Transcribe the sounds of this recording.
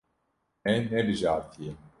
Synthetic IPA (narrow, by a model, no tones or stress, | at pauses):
ɛnːɛbɨʒaːɾt̪ʰije